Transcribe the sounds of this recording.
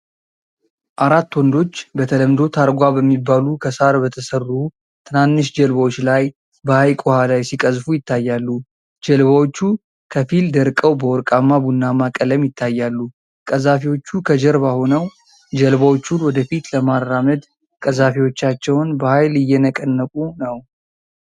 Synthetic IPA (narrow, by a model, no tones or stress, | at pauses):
ʔaɾat̪ːwɔnd̪o̞t͡ʃːbət̪ʰələmd̪o̞t̪ʰaɾɡʷabəmːibːalukʰəsaɾbət̪ʰəsərːu | t̪ʰɨnanːɨʃd͡ʒəlβawot͡ʃːlaj | bəhajkʼuhalajsikʼəzfujɪt̪ʰːajːalːu | d͡ʒəlβawot͡ʃːu | kʰəfild̪əɾkʼəwbəwɔɾkʼamːabunːamakʼələmjɪt̪ʰːajːalːu | kʼəzafiwo̞t͡ʃːukʰəd͡ʒəɾβahonəw | d͡ʒəlβawot͡ʃːunwɔd̪əfit̪ləmarːaməd̪ | kʼəzafiwo̞t͡ʃːat͡ʃːɛwnbəhajlɪjːɛnəkʼənːəkʼunəw